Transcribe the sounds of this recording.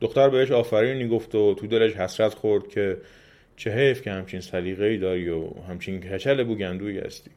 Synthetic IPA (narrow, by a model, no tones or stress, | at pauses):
d̪̥oxt̪æɾbeheʃɒːfæɾiːnniːɡoft̪ot̪ʰud̪eleʃhæsɾæt̪xoɾd̪̥̚cʰe̞ | t͡ʃʰeɦejfcʰehæmt͡ʃʰinsæd̪iːɣeiːd̪ɒːɾiohæmt͡ʃʰinkʰæt͡ʃʰælebuːɟænd̪uːihæ̰st̪i̥ː